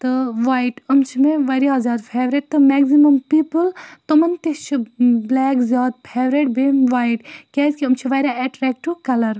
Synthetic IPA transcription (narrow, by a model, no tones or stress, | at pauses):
t̪ɨʋaːjʈɐmt͡ʃʰimeʋɐɾiɐzʲaːd̪pʰeːʋɾeʈ̚t̪ɨmɛːɡzimɐmpiːpəlt̪umɐnt̪it͡ʃʰiblɛːkzʲjaːd̪pʰeːʋɾeʈ̚beʋaːjʈkʲɛːzʲkʲiɐmt͡ʃʰiʋɐjɾaɛʈɾɛːk̚ʈukɐlɐɾ